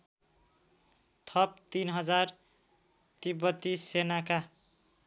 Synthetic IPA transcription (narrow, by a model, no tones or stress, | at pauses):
t̪ʰʌp̚t̪inɦʌd͡zar | t̪ibʌt̪ːisenaka